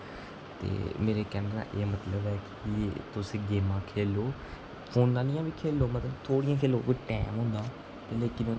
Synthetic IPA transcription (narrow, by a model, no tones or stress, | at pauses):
t̪ḛːmeːɾeːkɛːnɾa̰ːʔeːmət̪ləbɛːk | it̪ʊsĩːɡeːmãːkʰeːloː | pʰoːnːãːnɪjãːbiːkʰeːlːoːmət̪ləbt̪ʰoːɽijãːkʰeːloːkoʈɛːmɦõːnd̪aː | t̪eleːkɪnõː